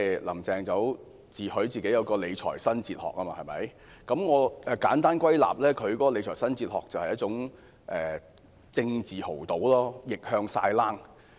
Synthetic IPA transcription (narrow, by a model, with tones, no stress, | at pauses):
lɐ̰˨˩mt͡sɛː˨ŋt͡sɐ˨˧˥w | t͡siː˨hɵ˨˥ɥt͡siː˨ke˨˥jɐ˨˧wkɔː˧le˨˧jt͡ʃʰɔ̰ː˨˩jsɐ˥nt͡siː˧t̚hɔ̰ː˨k̚ːɐː˥maː˧hɐ˨jmɐ̰˨˥j | kɐ˨˥mŋɔː˨˧ʔɛː˨˧kaː˨˥nt̪aː˥nkwɐ˥jla̰ː˨p̚lɛː˥kʰɵ˨˧ɥkɔː˨˥kɔ˧le˨˧jt͡ʃʰɔː˨˩sɐ˥nt͡siː˧t̚hɔː˨˩k̚t͡sɐ˨whɐ˨jɐ˥t̚t͡sʊ˨˥ŋ | ʔɛː˨ | t͡sɪ˧ŋt͡siː˨ho˨˩wt̪o˨˥wlɔː˥jɪ˨k̚hœː˧ŋsa̰ː˧jlaː˥ŋ